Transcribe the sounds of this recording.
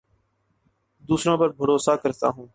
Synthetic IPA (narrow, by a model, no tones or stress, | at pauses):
d̪uːsɾõːpəɾbʱəɾoːsaːkəɾt̪a̰ːɦũː